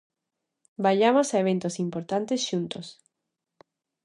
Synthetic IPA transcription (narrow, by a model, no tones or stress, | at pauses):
baʎamosaeβ̞ent̪osimpoɾt̪ant̪esʃunt̪os